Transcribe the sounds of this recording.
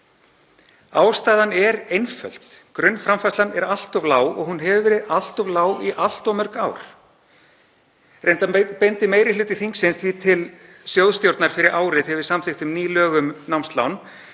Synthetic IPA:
aːwst̪aːðanɛɾejnfœ̰lt̪kɾʏnːfɾamfaslanɛɾal̥t̪ɔvlaːwɔ̰ɣɦunɦɛvvɪɾɪal̥t̪ɔvlaːwiʔal̥t̪ɔmœr̥kaːwɾ̥ | rejnt̪apejnt̪ɪmeːjɾɪlʏːt̪ɪθiŋksɪnst̪viːt̪ʰɪl | sjowðst̪jowɾt̪naɾ̥fɪɾɪɾʔaːwɾɪθɛvɪsamθɪht̪ʏmniːlœːɣʏmnawmst̪la̰wn

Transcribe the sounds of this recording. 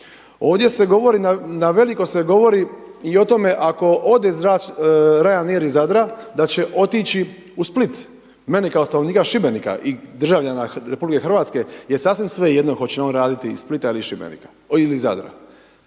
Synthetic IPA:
oːʋd̪je̞se̞ɡo̞ʋo̞ɾinanaʋe̞likoseɡo̞ʋo̞ɾiio̞t̪o̞me̞ʔako̞ʔo̞d̪ezɾaɾajaneɾizad̪ɾad̪at͡ɕe̞ʔo̞t̪it͡ɕi | usplit̪ | menekaost̪anoʋniːkaʃibenika̰ʔid̪r̩ʒaʋʎanaɾe̞publike̞xrʋaːt̪ske̞jesaːsʋimsʋe̞jed̪noxot͡ɕenonɾaːd̪it̪isplit̪ailiʃibḛnḭkḁ | iliza̰d̪ɾa̰

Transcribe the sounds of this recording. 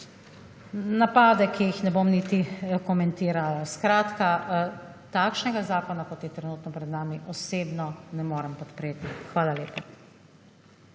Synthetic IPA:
napaːd̪ɛkijixnɛbomnit̪ikɔmɛnt̪iːɾalaskɾaːt̪ka | t̪aːkʃnɛɡazaːkɔnakɔt̪jɛt̪ɾɛnuːt̪nɔpɾɛd̪naːmiʔɔseːbnɔnɛmoːɾɛmpɔt̪pɾeːt̪ixʋaːlaleːpa

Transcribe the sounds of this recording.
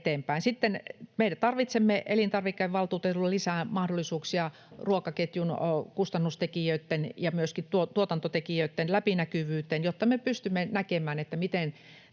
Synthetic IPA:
t̪eːmpæinsit̪ːenmeiæt̪ɑrʋit̪semːeʔelint̪ɑrʋikːeʋʋɑlt̪uːt̪et̪ulːɑlisæːmɑhdolːˑisuːksiɑ | ruokɑket̪junkust̪ɑnːust̪ekijøit̪ːenjɑmyøskitt̪uot̪uot̪ɑnt̪ot̪ekijøit̪ːenlæpinækyʋyːt̪ːenjot̪ːɑmepyst̪ymːenækemæːnet̪ːæmit̪en

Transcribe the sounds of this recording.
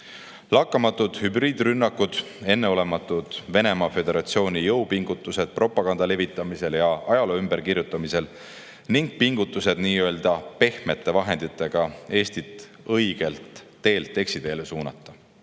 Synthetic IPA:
lɑkːˑɑmɑt̪ːˑud̪̥hybriːd̪̥rynːɑkːud̪̥ | e̞nːe̞o̞le̞mɑt̪ːˑud̪̥ve̞ne̞mɑfe̞d̪e̞ɾɑt̪sio̞ːnʲijɤwpiŋɡut̪ːˑuse̞d̪̥̚pro̞pːˑɑɡ̥ɑnd̪̥ɑle̞vit̪ːˑɑmise̞ljɑɑjɑloːymbeɾkirjut̪ːˑɑmise̞l | niŋɡ̥̚piŋɡ̥ut̪ːˑuse̞d̪̥niːø̞ːld̪̥ɑpe̞hme̞t̪ːˑe̞vɑɦe̞nd̪̥it̪ːˑe̞ɡ̥ɑe̞ːst̪it̪ˑ | ɤjɡ̥e̞lt̪ː | e̞ːlt̪ːe̞ksid̪̥e̞ːlesuːnɑ̰t̪ːˑɑ̥

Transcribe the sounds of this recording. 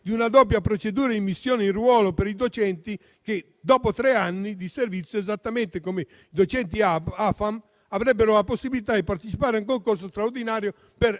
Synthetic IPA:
d̪iunad̪ɔp̬japɾot͡ʃed̪uːɾaimːisːjɔːneĩrwɔːlopeɾid̪ot͡ʃɛnt̪i | ke | d̪ɔːpot̪ɾɛanːid̪iservit̪sːjoɛzat̪ːamɛnt̪ekome | id̪ot͡ʃɛnt̪iafam | avɾɛbːeɾoaposːibilit̪ad̪ipart̪et͡ʃipaːɾeuŋkoŋkors̬ost̪ɾaoɾd̪inaːɾjo | per

